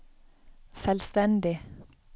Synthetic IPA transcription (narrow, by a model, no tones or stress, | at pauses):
sɛlst̪ɛnd̪ɪ